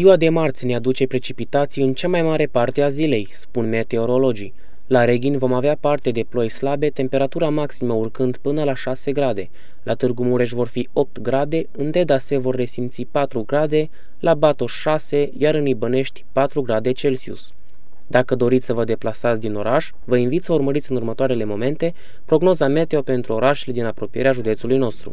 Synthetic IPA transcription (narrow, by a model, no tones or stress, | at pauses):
ziwad̪e̞mart̪sʲnead̪ut͡ʃe̞pɾe̞t͡ʃipit̪at̪sijɨnt͡ʃamajmaɾe̞part̪e̞azile̞jspunme̞t̪e̞o̞ɾo̞lo̞d͡ʒḭ | laɾe̞ɡʲinʲvo̞maveapart̪e̞d̪e̞plo̞jslabe̞t̪e̞mpe̞ɾat̪uɾamaksiməurkɨnd̪pɨnəlaʃase̞ɡɾad̪e̞ | lʔat̪ɨrɡumuɾe̞ʃ̬vo̞rfio̞p̚t̪ɡɾad̪e̞ɨnt̪e̞d̪asevo̞rːe̞simt̪sipat̪ɾuɡɾad̪e̞ | lʔabat̪o̞ʃase̞jaɾɨnibəne̞ʃt̪ʲpat̪ɾuɡɾad̪e̞t͡ʃe̞lsiṵs | d̪akəd̪o̞ɾit̪ssəvəd̪e̞plasat̪sʲd̪ino̞ɾaʒ | vəinvit̪səurməɾit̪sʲɨnurmət̪oaɾe̞le̞mo̞me̞nt̪e̞ | pɾo̞ɡno̞zame̞t̪e̞o̞pe̞nt̪ɾuo̞ɾaʃeled̪inapɾo̞pijeɾeaʒud̪e̞t̪sulujno̞st̪ɾṵ